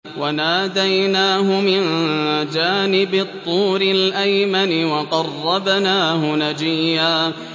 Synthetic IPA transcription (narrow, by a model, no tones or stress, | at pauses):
wanaːd̪ajnaːɦʊmɪnd͡ʒaːnɪbɪt̪ˤːuːɾɪlʔajmanɪwɑqɑrˤːɑbnaːhʊnad͡ʒiːhaː